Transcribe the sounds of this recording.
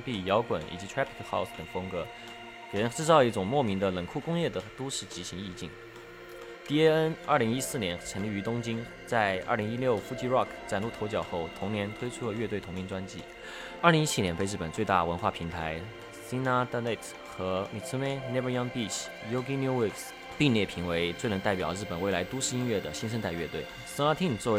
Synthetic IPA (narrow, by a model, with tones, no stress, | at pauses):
ŋpi˥˩jɑ˧˥ʊkwə˨˩nḭ˨˩t͡ɕi˧˥t̪ʰɹa˥pʰi˥kxa˥˧ʊst̪ə˨˩ŋfɤ˥ŋkɤ˧˥ | ke˨˩ɻə˧˥nʈ͡ʂɻ̩˥˧t͡sɑ˥˧ʊi˥˩ʈ͡ʂʊ˨˩ŋmwɔ˥˩mi˧˥ŋd̪ə˧lə˨˩ŋkʰu˥˩kʊ˥ŋjɛ˥˩d̪ə˩t̪u˥ʂɻ̩˥˩t͡ɕi˧˥ɕi˧˥ŋi˥˧t͡ɕḭ˥˩ŋ | t̪i˥˩ɛ˥ə˥nɐ˞˥˩li˧˥ŋi˥sɹ̩˥˩njɛ˧˥nʈ͡ʂʰə˧˥nli˥˩y˧˥t̪ʊ˥ŋt͡ɕi˥ŋ | t͡sa˥˧˩ɪʔɐ̰˥˩li˧˥ŋi˥ljo˥˩ʊfu˥t͡ɕi˥˧ɹɑ˥˩kʰt͡sa˨˩nlu˥˩tʰo˧˥ʊt͡ɕjɑ˨˩ʊxo˥˩ʊt̪ʰʊ˧˥ŋnjɛ˧˥nt̪ʰwe˥ɪʈ͡ʂʰu˥lə˨˩ɥɛ˥˧t̪we˥ɪt̪ʰʊ˧˥ŋt͡ɕi˧˥nʈ͡ʂwa˥nt͡ɕḭ˥˩ | ə˞˥˩li˧˥ŋi˥t͡ɕʰi˥njɛ˧˥npe˥˧ɪɻ̩˥˩pə˨˩nt͡swe˥˧ɪt̪a̰˥˩wə˧˥nxwa˥˩pʰi˧˥ŋt̪ʰa˧˥ɪ | si˥na˥t̪a˥le˥˩tʰ | xɤ˧˥mi˨˩t͡sʰu˥me˥nɛ˥bə˥jɑ˥npi˥˩ɕ | jo˧˥ʊki˥nju˥wi˥˩ks | p̪i˥˧ŋljɛ˥˩pʰi˧˥ŋwe˧˥ɪt͡swe˥˩ɪnə˧˥ŋt̪a˥˩pjɑ˨˩ʊɻ̩˥˩pə˨˩nwe˥˩ɪla˧˥ɪt̪u˥ʂɻ̩˥˧i˥nɥɛ˥˩d̪ə˩ɕi˥nʂ̬ə˥nt̪a˥˧ɪɥɛ˥˧t̪we˥˩ɪ | sə˥a˥t̪ʰi˥˧n˨˩t͡swɔ˥˩˧